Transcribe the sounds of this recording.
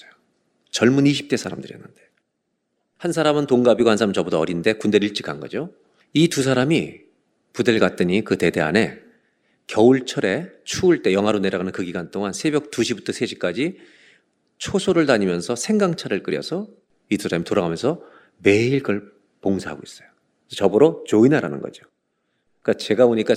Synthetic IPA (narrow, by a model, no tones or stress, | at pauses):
jo | t͡ɕʌɭmuniɕʰi̥p̚t͈e̞sʰaɾa̰mdɯɾijʌnːɯnde̞ | hans̬ʰaɾamɯntoŋɡabiɡohansʰaamɯnt͡ɕʌbodʰʌʌɾinnde̞kundeɾiɭt͡ɕ͈i̥k͈anɡʌd͡ʑo | itus̬ʰaɾami | pude̞ɭɡat͈ɯɲikɯte̞de̞a̰ne̞ | kjʌuɭt͡ɕʰʌɾe̞t͡ɕʰuːɭt͈e̞jʌŋɦwaɾone̞ɾaɡɣanɯnkɯɡiɡant͈oŋansʰe̞bjʌk̚tuɕʰibutʰʌsʰeɕʰi̥k͈ad͡ʑi | t͡ɕʰosʰoɾɯɭtaɲimjʌnsʰʌsʰe̞ŋɡaŋt͡ɕʰaɾɯɭk͈ɯɾjʌsʰʌ | itusʰaɾamitoɾaɣamjʌnsʰʌ | me̞iɭkʌɭ | poŋsʰaɦa̰ɡois͈ʌ̥jo | t͡ɕʌbɯɾot͡ɕoinaɾa̰nɯ̰nɡʌ̰d͡ʑio | k͈at͡ɕe̞ɡaboɲik͈a